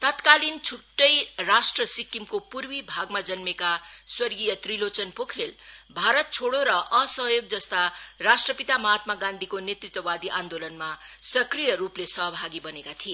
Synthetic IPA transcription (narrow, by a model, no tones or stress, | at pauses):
t̪ʌt̪kalint͡sʰuʈːʌjrasʈrʌsikːimkopurwibʱaɡmad͡zʌnmekaswʌrɡijʌt̪rilot͡sʌnpokʰelbʱaɾʌt̪̚t͡sʰoɽoɾʌʔʌsʌɦjoɡ̚d͡zʌst̪arasʈrʌpit̪amʌɦat̪̚maɡãnd̪ʱikonet̪rit̪wʌwad̪iʔãnd̪olʌnmasʌkrijʌɾuplesʌɦbʱaɡibʌnekat̪ʰie